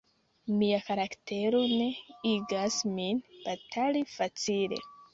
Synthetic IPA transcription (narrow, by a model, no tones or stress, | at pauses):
miakaɾakte̞ɾo̞ne̞iɡasminb̥atʰalifat͡sile̞̰